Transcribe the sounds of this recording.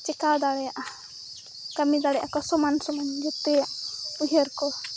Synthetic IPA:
t͡ʃɛkad̪aɽɛjaʔa | kamid̪aɽɛʔakɔsɔmansɔmand͡ʒɛt̪ɛjaʔuɦəɾkɔ

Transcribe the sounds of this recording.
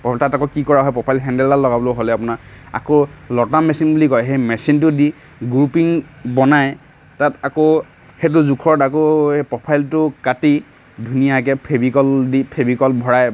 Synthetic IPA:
pɔtatakɔkikɔɹaɦɔjpɹɔpʰajlɦɛndɛltallɔɡabɔloɦolɛapʊnaa̰kolɔtamɛsinbulikɔjɦejmɛsintʊdi | ɡɹupiŋbɔnaj | tatako | het̬ʊzukʰɔɹdakoepɹɔpʰajltʊkati | dʱunijak̬ɛpʰebikɔldipʰebikɔlbʱɔɹaj

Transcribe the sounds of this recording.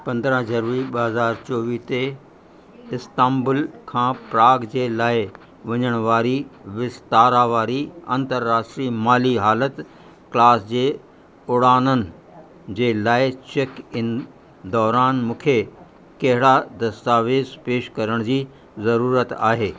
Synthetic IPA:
pɐ̃nd̪ɾə̃ɦd͡ʑɐɾʋəɽiɓɐɦɐzaːɾt͡ɕoːʋit̪e | ɪst̪ãːmbʊlkʰãːpɾaːɡd͡ʑeːlaːɪ | ʋɐɲəɽ̃ʋaːɾiʋɪst̪aːɾaʋaːɾiɐ̰̃nt̪əɾːaːʃʈɾiːmaːliɦaːlət̪ | klaːsd͡ʑeː | ʊɽaːnənɪ̆ | d͡ʑeːlaːɪt͡ɕekɪn | d̪ɔːɾaːnmũːkʰe | kɐɦɪɽad̪ɐst̪aːʋeːzpeːʃkɐɾəɽ̃d͡ʑiː | zɐɾuːɾət̪aːɦeː

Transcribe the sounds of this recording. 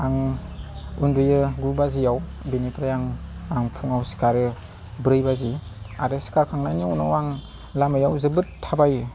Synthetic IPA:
aŋ | undujɯɡubazijaw | binipɾajaŋaŋpʰuŋawsi̥kaɾɯ | bɾɯjbazi | aɾɯsi̥kaɾkʰaŋnaniawnawaŋ | lamajawzɯbɯttʰːabaj

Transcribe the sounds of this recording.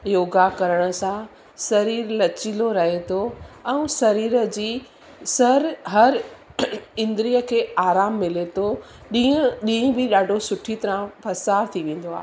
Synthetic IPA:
joːɡakɐɾəɽ̃ə̆sã | sɐɾiːɾlɐt͡ɕiloɾɐɦet̪ʰoɛ̃ũsɐɾiːɾəd͡ʑiː | sɐɾɦɐɾ | ɪ̃nd̪ɾijəkʰeːaːɾaːmːɪlet̪ʰo | ɗĩə̃ɗĩːɪ̃bɪɗaːɖʱosʊʈʰit̪ɐɾãpʰɐsaːɾt̪ʰiʋẽːn̆d̪oaːɦe

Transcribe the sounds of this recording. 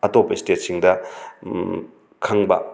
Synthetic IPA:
ɐtopːɐistet̚siŋdɐ | kʰɐŋbɐ̰

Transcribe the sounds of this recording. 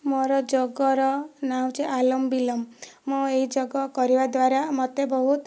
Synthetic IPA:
moɾɔd͡ʒɔɡɔɾɔnaw̃t͡ʃeʔalɔmbilɔmːueɦid͡ʒɔɡɔkɔɾibad̪waɾamɔt̪ebɔɦut̪

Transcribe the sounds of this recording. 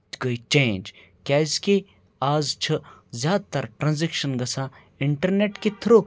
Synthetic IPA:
t̪ɡəit͡ʃẽːnd͡ʒ | kʲjaːɪske | aːzt͡ʃʰɐzʲjaːd̪̚t̪ɐɾʈɾãːnzekʃənɡɐsaː | ɪɳʈɐɾneːʈket̪ʰɾoː

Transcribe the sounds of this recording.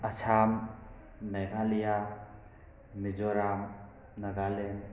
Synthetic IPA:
at͡ʃʰam | mɛɡalija | mid͡ʒɔɾam | naɡalen

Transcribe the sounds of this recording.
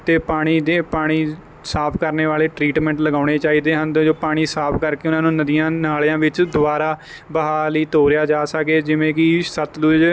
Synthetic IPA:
t̪eːpaːɽ̃iːd̪eːpaːɽ̃iː | saːpʰkəɾneːʋaːleːʈɾiːʈmɛ̃ːɳʈləɡaːɽ̃eːt͡ʃaːiːd̪eːɦənd̪d͡ʒoːpaːɽ̃iːsaːpʰkəɾkeːʊnãːnũːnəd̪ijãːnaːljãːʋɪt͡ʃd̪ʊʋaːɾaː | bəɦaːləiːt̪oːɾɪjaːd͡ʒaːsəkeːd͡ʒɪʋẽːkɪsət̪lʊd͡ʒ

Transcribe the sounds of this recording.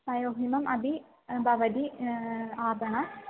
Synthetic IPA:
pɐjoːɦimɐmʔɐb̪i | bʱɐʋɐd̪i | aːbɐɳɐ

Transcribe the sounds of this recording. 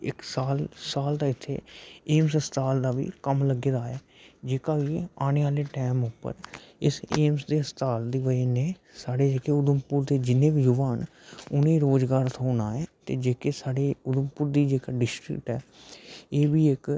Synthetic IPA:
ɪ̰ksaːlsaːld̪aːɪt̪ʰːḛːeːmsəst̪aːld̪aːʋḭːkəmləɡeːd̪aːɛː | d͡ʒeːkaːɡeaːñeːaːleːʈɛːmʊpːə̰ɾɪseːmsd̪eːəst̪aːld̪iːʋəineː | saːɽeːd͡ʒeːkeːʊd̪əmpʊɾd̪eːd͡ʒɪnẽːbijʊʋaːn | ʊnẽːɾoːd͡ʒɡaːɾt̪ɦoːnaːɛːt̪eːd͡ʒeːkeːsaːɽeːʊd̪əmpʊɾd̪iːd͡ʒeːkaːɖɪsʈɾɪ̰kʈɦɛː | eːbiːɪk

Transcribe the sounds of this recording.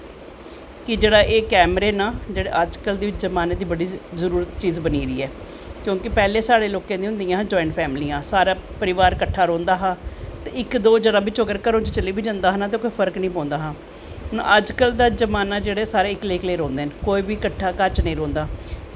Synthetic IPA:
kɪd͡ʒeːɽaːʔeːkɛːmɾeːnaːd͡ʒeːɽeːʔəd͡ʒkəld̪eːɪt͡ʃzəmaːneːd̪iːbəɽiːzəɾuːɾət̪t͡ʃiːzbəniːɾiːɛː | kjõːkɪpɛːleːsaːɽeːloːkẽːd̪iːʊ̃nd̪ijãːd͡ʒɔːɪ̃ɳʈpʰɛːmliːãːsaːɾaːpəɾɪʋaːɾkəʈʰːaːɾõːnd̪aːɦãːt̪eːɪkd̪oːd͡ʒəɽãːbɪt͡ʃoɡəɾkəɾõːt͡ʃt͡ʃəliːbiːd͡ʒãːnd̪aːɦənaːt̪̬ẽːkoːiːpʰəɾknĩːpãːnd̪aːɦãː | ɦʊn̰əd͡ʒkəld̪aːd͡ʒəmaːnaːd͡ʒeːɽeːsaːɾeːɪkleːkleːɾõːnd̪eːnkoːiːbiːkəʈʰːaːkəɾt͡ʃnəĩːɾõːnd̪aː

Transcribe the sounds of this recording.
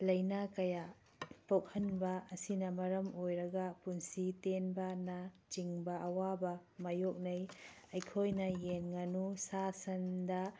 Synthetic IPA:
lɐjnakɐja | pok̚hɐnbɐːɐsinɐmɐɾɐmojɾɐɡɐpunsitenbɐnat͡ʃiŋbɐʔɐwabɐmɐjok̚nɐj | ɐjkʰojnɐjenŋɐnusasɐndɐ

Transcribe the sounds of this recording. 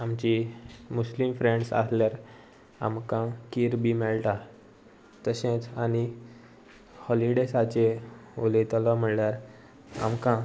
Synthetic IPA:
amt͡ɕimuslimfɾeɳɖsa̰sljaɾ | a̰mkãkiːɾbimɛɭʈa | t̪əɕẽt͡sani | hɔliɖesat͡ɕeolet̪əlam̤əɽljaɾ | a̰mkã

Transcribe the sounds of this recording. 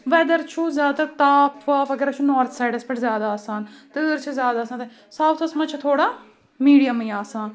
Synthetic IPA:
ʋɛːd̪əɾt͡ʃʰuzjaːt̪ɐɾt̪aːpʰʋaːfɐɡəɾɐt͡ʃʰunɔːɾt̪ʰsaːjɖəspɐʈzjaːd̪aːsaːnt̪əɾt͡ʃʰzjaːd̪aːsaːnt̪e | saːt̪ʰɐsmat͡ʃʰt̪ʰoːɽaː | miːɽijəmiːaːsaːn

